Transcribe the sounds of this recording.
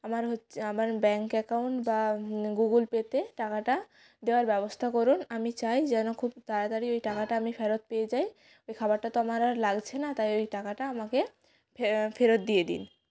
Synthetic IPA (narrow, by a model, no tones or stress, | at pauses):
amaɾɦoamaɾbɛŋkɛkawɳʈbaɡuɡulpet̪eʈakaʈa | d̪eoaɾbɛbost̪ʰakɔɾunamit͡ɕajd͡ʑɛnokʰubt̪aɾad̪aɾiojʈakaʈaamifʰeɾot̪̚peed͡ʑaj | ojkʰabaɾʈat̪oamaɾalaɡt͡ɕʰenat̪ajojʈakaʈaamake | pefeɾot̪̚d̪ijed̪ḭn